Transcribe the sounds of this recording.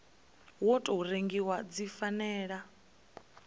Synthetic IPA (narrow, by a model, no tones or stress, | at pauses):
wɔtʼɔuɾeŋɡiwad͡zifanɛːɺa